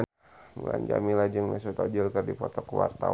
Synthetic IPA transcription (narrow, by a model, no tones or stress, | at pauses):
məŋaɲd͡ʒamilad͡ʒəŋmas̬ut̪ɔd͡ʒəlkərdipɔt̪ɔkwa̰rt̪a